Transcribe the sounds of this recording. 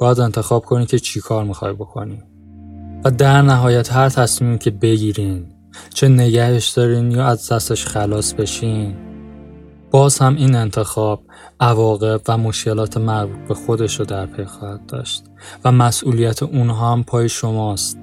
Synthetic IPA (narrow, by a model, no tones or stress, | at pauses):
bɒːjæd̪e̞nt̪ʰe̞xɒːb̥̚kʰo̞nimcʲʰe̞t͡ʃʰikʰɒːɾmixɒ̰jbo̞kʰo̰ni | væd̪æɾnæɦɒːjæt̪ɦæɾt̪ʰæsmiːmicʰe̞be̞ɟiːɾiːn | t͡ʃʰe̞ne̞ɟæhe̞ʃd̪̥ɒːɾiːnjɒːæzd̪æst̪e̞ʃxælɒːsbe̞ʃiːn | b̥ɒːz̥hæmiːne̞nt̪ʰe̞xɒːb̥̚ | ʔævɒːɣe̞bvæmo̞ʃce̞lɒːt̪ʰemæɾbuːt̪̚ʰbe̞xo̞d̪e̞ʃɾod̪æɾpʰe̞jxɒːhæt̪̚d̪̥ɒ̰ːʃt̪̚ | væmæsʔuːlijæt̪ʰeʔunɦɒæmpʰɒːjeʃomɒːst̪